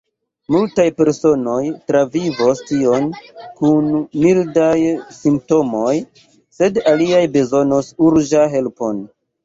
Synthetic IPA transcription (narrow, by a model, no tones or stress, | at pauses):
multajpe̞ɾso̞no̞jtɾavivostio̞nkunmildajsimp̚to̞mo̞j | se̞daliajbe̞zo̞nosuɾd͡ʒaɦe̞lpo̞n